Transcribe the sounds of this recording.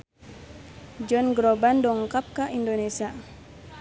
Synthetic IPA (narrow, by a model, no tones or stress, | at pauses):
d͡ʒɔnɡɾobandɔŋkap̚kaʔindonesia